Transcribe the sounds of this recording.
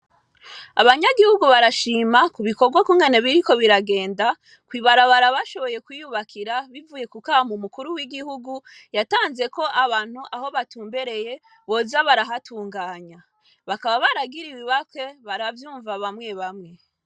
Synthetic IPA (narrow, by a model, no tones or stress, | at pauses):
aβaɲaɡihuɡuβaɾaʃiːmakuβiko̞ɡwakuŋɡe̞ne̞βiɾiko̞βiɾaɡe̞ːnda | kwiβaɾaβaɾaβaʃo̞βo̞je̞kwijuβakʰiɾaβivuje̞kukahamumukuɾuwiɡihuɡujataːnze̞ko̞ʔaβaːn̥huʔaho̞βatuːmbe̞ɾe̞je̞ | βo̞ːzaβaɾaɦatuːŋɡaːɲa | βakaβaβaɾaɡiɾiβiβakwe̞βaɾavjuːɱvaβamŋe̞βamŋe̞